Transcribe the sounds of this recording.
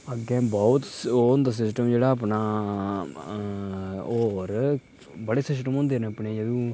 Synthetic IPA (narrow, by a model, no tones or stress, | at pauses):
əɡɛ̃ːbɔːt̪ːʊnd̪aːs̬ɪsʈəmd͡ʒeːɽaːəpnaː | oːɾ | bəɽeːsɪs̬ʈəmõnd̪eːneəpɳeːjəd̪ũː